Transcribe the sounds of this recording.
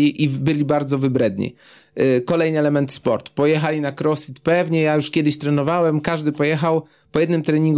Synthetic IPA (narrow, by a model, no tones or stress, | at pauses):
iʔibɘlʲibaɾd̪zɔvɘbɾɛd̪ɲḭ | kɔlɛjnɘɛlɛmɛnt̪spɔɾt̪u̥pɔjɛxalʲinakɾɔsʲit̪pɛvɲɛjajuʂkʲɛd̪ɘɕt̪ɾɛnɔvawɛmkaʐd̪ɘpɔjɛxaw | pɔjɛd̪nɘmt̪ɾɛɲiŋɡ